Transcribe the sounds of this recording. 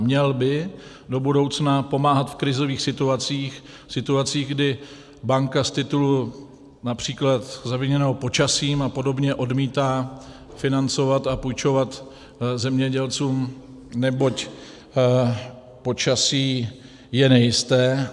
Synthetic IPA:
mɲɛlbɪ | do̞budo̞wt͡snapo̞maːɦat̪fkɾɪzo̞viːxsɪt̪uat͡siːx | sɪt̪uat͡siːɣɡdɪ | baŋkast̪ɪt̪ulu | napr̝̥iːklat̪zaviɲɛnɛːɦopo̞t͡ʃasiːmapo̞do̞bɲɛʔo̞dmiːt̪aː | fɪnant͡so̞vat̪apujt͡ʃo̞vat̪ | zɛmɲɛɟɛlt͡suːm | nɛbo̞c | po̞t͡ʃasiː | jɛnɛjɪst̪ɛː

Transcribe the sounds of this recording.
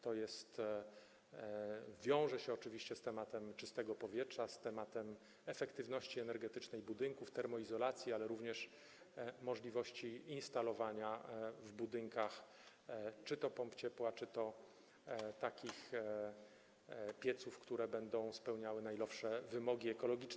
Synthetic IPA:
t̪ɔjɛst̪ | vʲjɔ̃w̃ʐɛɕɛɔt͡ʂɘvʲiɕt͡ɕɛst̪ɛmat̪ɛmt͡ʂɘst̪ɛɡɔpɔvʲjɛtʂast̪ɛmat̪ɛm | ɛfɛkt̪ɘvnɔɕt͡ɕiɛnɛɾɡɛt̪ɘt͡ʂnɛjbud̪ɘŋkuft̪ɛɾmɔizɔlat̪sʲjialɛɾuvɲɛʂ | mɔʐlʲivɔɕt͡ɕiinst̪alɔvaɲavbud̪ɘŋkax | t͡ʂɘt̪ɔpɔmpt͡ɕɛpwat͡ʂɘt̪ɔ | t̪akʲix | pʲjɛt̪sufkt̪uɾɛbɛnd̪ɔ̃w̃spɛwɲawɘnajlɔpʂɛvɘmɔɡʲiɛkɔlɔɡʲit͡ʂ

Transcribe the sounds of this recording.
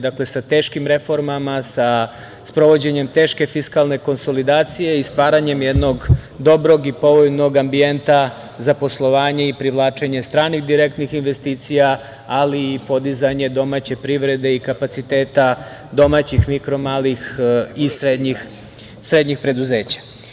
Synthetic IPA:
d̪akle̞sat̪eːʃkimɾe̞fo̞ɾmamasa | spɾo̞ʋo̞d͡ʑe̞ɲe̞mt̪e̞ːʃke̞fiskalˠne̞ko̞nso̞lid̪aːt̪sije̞ist̪ʋaːɾaɲe̞mjed̪no̞ɡd̪o̞bɾo̞ɡipo̞ʋojno̞ɡambie̞nt̪a | zapo̞slˠo̞ʋaːɲe̞ipɾiʋlˠaːt͡ʃe̞ɲe̞st̪ɾaːnixd̪iɾekt̪nixinʋe̞st̪iːt̪sija | aliːpo̞d̪izaɲe̞d̪o̞maːt͡ɕe̞pɾiʋɾe̞d̪e̞ikapat̪sit̪e̞ːt̪a | d̪o̞maːt͡ɕixmikɾo̞maːlixisɾed̪ɲix | sɾe̞d̪ɲixpɾe̞d̪uzeːt͡ɕḁ

